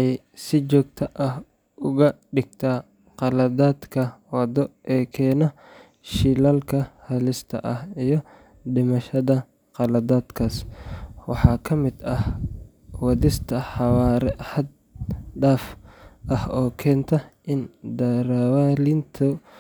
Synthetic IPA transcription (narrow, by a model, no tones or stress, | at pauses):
j | sɪt͡ʃɔːɡ̚t̪ʰɐʔɐh | ʔʊɣɐɖɪɡ̚t̪ʰaː | qɑlɐðaːd̪kʰɐwɑd̪ɔʔɛːkʰɛːnɐ | ʃilaːlkʰɐhɐlɪst̪ʰɐ̰ʔɐhijɞ | ɖɪmɐʃɐðɐ | qɑlɐðaːd̪kʰaːswɑħɑːkʰɐmɪd̪ɐh | wɑðɪst̪ʰɐħɑwaːɾɛħɐd̪ | ɖaːfʔɐhɔːkʰɛːnt̪ʰɐʔɪnd̪ɐɾawalɪnt̪ʰʊ